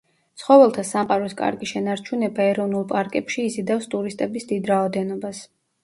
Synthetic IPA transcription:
t̪sʰχɔvɛlˠt̪ʰasamqʼaɾɔskʼa̰ɾɡiʃɛnaɾt͡ʃʰunɛbaɛɾɔvnulˠpʼaɾkʼɛpʃiːzid̪afst̪ʼuɾist̪ʼɛbisd̪id̪ɾaɔd̪ɛnɔbas

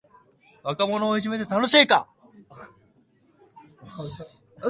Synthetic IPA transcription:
βakamo̞no̞ːiʑime̞t̪e̞t̪ano̞ɕiːka̰

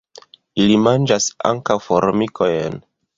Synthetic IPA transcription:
ilimand͡ʒasa̰ŋkawfoɾmikʰo̞jen

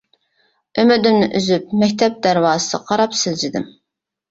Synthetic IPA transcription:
ømød̪ymnɪʔyzyp̚mɛkʲt̪ʰɛp̚d̪æɾwɑːsɨ̰qʰɑɾɑpsɪld͡ʒɪd̪ɪm

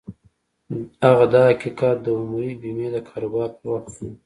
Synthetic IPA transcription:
aɣad̪ɑakikɑːt̪̚d̪əumuɾibimed̪əkʰɑɾobɑɾpəwaʈsu

